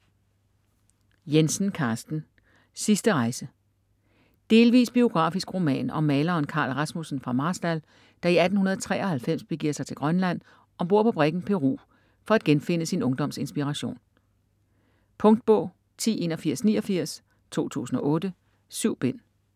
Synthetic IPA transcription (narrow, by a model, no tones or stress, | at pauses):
jensn̩kʰɑ̈ːsd̥n̩ | sisd̥əʁɑ̈ɪsə | d̥e̝ːlʋḭːsb̥io̝ɡ̥ʁɑ̰̈ːfisɡ̥ʁo̝mɛ̰ːnɒ̽mɛːlɐːnkʰɑ̈ːlʁɑ̈smusn̩fʁɑ̈mɑ̈ːsd̥æl | d̥ɑ̈iæd̥n̩unɐð̞ˠɒt͡sʰʁɛ̰ːɒ̽hælfem̰sb̥e̝ɡ̥ḭɐ̰sɑ̈ɪt͡sʰe̝lɡ̥ʁɶnlæn̰ | ʔɒ̽b̥o̝ɐ̰pʰɒ̽b̥ʁɛɡ̥n̩pʰe̝ʁṵː | fɒ̽æd̥̚ɡ̥enfe̝n̰əsinɔ̽ŋd̥ɒ̽m̰se̝nsb̥iʁɑɕo̝̰ːn | pʰɔ̽ŋd̥̚b̥ɔ̰̽ʊ̰ | t͡sʰḭːe̝ːnɒ̽fiɐ̰snḭːɒ̽fiɐ̰s | t͡sʰo̝̰ːt͡sʰṵːsn̩ɒ̽ʔɔ̽ːd̥ə | syʊ̰b̥en̰